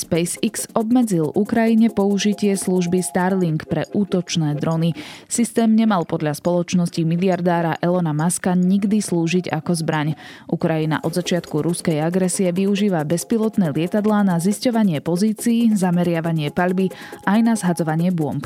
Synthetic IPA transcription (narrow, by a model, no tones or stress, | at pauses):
spɛjsiksɔbmɛd͡zilukɾajiɲɛpɔuʒicɪɛsluʒbist̪aɾliŋkpɾɛ̰ʔuːt̪ɔt͡ʃnɛːd̪ɾɔnisist̪ɛːmɲɛmalˠpɔd̪ʎaspɔlɔt͡ʃnɔscimiliaɾd̪aːɾaʔɛlɛnamaskaɲiɡd̪isluːʒiɟa̰kɔzbɾaɲʔukɾajina̰ʔɔd̪zat͡ʃɪat̪kuɾuskɛjaɡɾɛsiɛʋiuʒiːʋabɛspilˠɔt̪nɛːlɪɛt̪ad̪laːnaziscɔʋaɲɪɛpɔziːt͡siːzamɛɾɪaʋaɲɪɛpaʎbi | ajnazɦad͡zɔʋaɲɪɛbʊɔ̰mp